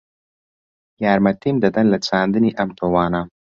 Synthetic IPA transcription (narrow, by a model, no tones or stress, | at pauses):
jɑːɾmɐt̪imd̪ɐd̪ɐnlat͡saːnd̪ɨniʔɐmt̪owɑːna